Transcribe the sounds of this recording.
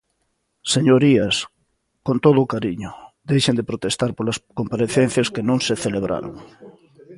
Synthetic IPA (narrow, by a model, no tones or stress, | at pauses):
seɲoɾiɐs | kõnt̪oðʊːkaɾiɲʊd̪ejʃend̪epɾot̪est̪aɾpolɐskompaɾeθen̟θjɐskenõŋseθeleβɾʔa̰ɾo̰ŋ